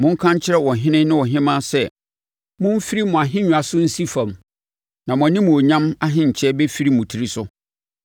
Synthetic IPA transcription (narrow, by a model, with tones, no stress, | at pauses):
mʊ̃˦ŋ̩˦kʰã˦ɲ˦t͡ɕʰɪ˦ɾɛ˦wɔ˨ɦɪ̃˦nɪ̃˦nɪ̃˦wɔ˨ɦɪ̃˦mãː˦sɛ˦ | mʊ̃˦m˦fi˦ɾi˦mʊ̃˨a˨ɦɪ̃˦ɲũ˨a˨sʊ˦n̩˦si˦fã˨m | nã˨mʊ̃˨a˨nĩ˦mũ˨o˨ɲã˦ma˦ɦɪ̃˦˨ɲ̩˨t͡ɕʰɛ˦bɛ˦fi˦ɾi˦mʊ̃˨tʰi˨ɾi˦sʊ˦